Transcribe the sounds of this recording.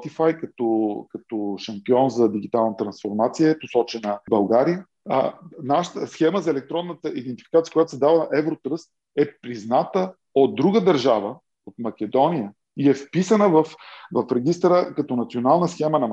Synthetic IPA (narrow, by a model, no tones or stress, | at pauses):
t̪ifajkɐt̪ɔkɐt̪ɔʃɐmpiɔnzɐd̪iɡ̟it̪alˠnət̪ɾɐnsfoɾmat̪sijət̪ʊsɔt͡ʃɛnəbɐlˠɡaɾijə̰ | naʃə̥t̪əsxɛməzɐɛlɛk̚t̪ɾɔnːət̪əʔid̪ɛnt̪i̥fikat̪ijəkojat̪o̥sɛd̪avəʔɛvɾot̪ɾəst̪̚ | ɛpɾiznat̪ə | od̪̚ːɾuɡəd̪əɾʒavə | ot̪mɐkʲɛd̪ɔnijə | iɛfpisənəvɐfvɐfɾɛɡ̟ʲist̪ɾəkɐt̪onɐt̪sionalˠnəsxɛmənɐ